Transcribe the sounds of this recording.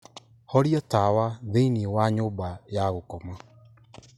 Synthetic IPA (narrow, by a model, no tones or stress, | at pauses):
hɔɾiɔtawaðeiniewaɲoːbajaɣokɔma